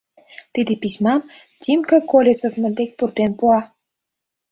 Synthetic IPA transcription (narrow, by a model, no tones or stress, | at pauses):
t̪id̪episʲmɑm | t̪ʲimkə̆kolʲesovmə̆nd̪ek̚ʲpurt̪enpuɑ